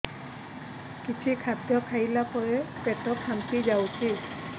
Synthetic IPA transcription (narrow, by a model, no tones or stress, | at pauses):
kit͡ʃʰikʰatjɔkʰailakɔɹɛpɛtɔkʰːampizawtʰi